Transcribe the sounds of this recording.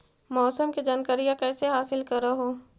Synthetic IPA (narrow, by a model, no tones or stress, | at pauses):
mɔːsəmked͡ʒaːnkəɾijãkɛːseɦaːsɪlkɐɾaɦoː